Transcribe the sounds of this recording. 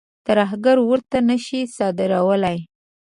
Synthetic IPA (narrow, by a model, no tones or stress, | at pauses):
t̪aɾaɦɡaɾwəɾt̪anəʃisɑd̪ɪɾawəlaj